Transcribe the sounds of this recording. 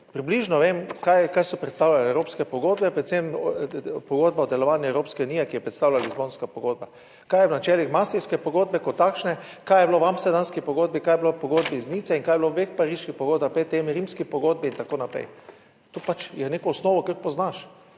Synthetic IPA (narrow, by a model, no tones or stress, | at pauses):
pɾibliːʒnɔʋemkajkajsɔpɾɛt̪st̪aːwlalɛɛwɾoːpskɛpɔɡoːd̪bɛpɾɛt̪sem | pɔɡoːd̪̚baɔd̪ɛlɔʋaːnjɛɛwɾoːpskɛuniːjɛkijɛpɾɛt̪st̪aːwlalizboːnskapɔɡoːd̪̚ba | kajɛwnat͡ʃɛːlixmasiskɛpɔɡoːd̪̚bɛkɔt̪ːakʃnɛkajɛbloʋamsɛd̪anskipɔɡoːd̪̚bikaːjɛblopɔɡoːd̪biːzniːt̪sɛiŋkajɛbloʋexpaɾiːʃkixpoɡoːd̪̚bapet̪emiɾimskipɔɡoːd̪̚biint̪akoːnapɾɛ̰j | t̪opat͡ʃjɛneːkɔːsnoːʋɔkəɾkpɔznaʃ